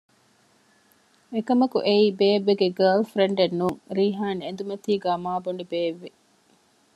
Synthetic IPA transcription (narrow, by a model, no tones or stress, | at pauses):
ekɐmɐkṵʔeiːbeːʋːeɡeɡɐːlfɾeɳɖenːuːŋɾiːɦaːniend̪umɐt̪iːɡaːmaːboɳɖibeːʋːe